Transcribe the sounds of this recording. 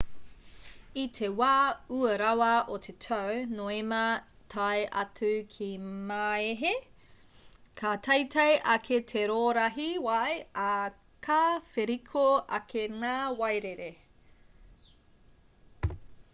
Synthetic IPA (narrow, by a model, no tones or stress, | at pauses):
itʰewaːuɐɾawɐʔotʰetʰɐwnoːemɐ | tʰajʔɐ̰tʉkʰimaːeɦe | kʰatʰɐjtʰɐjʔɐkʰetʰeɾoːɾɐɦiwɐja | kʰafeɾikʰoʔɐkʰeŋaːwɐjɾeɾe